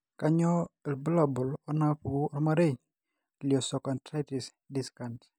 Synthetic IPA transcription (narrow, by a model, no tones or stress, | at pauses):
kaɲɔɛlbulabɔlɔnapuɔɾmaɾeɲ | lɪɔsɔkantɾatis | diskant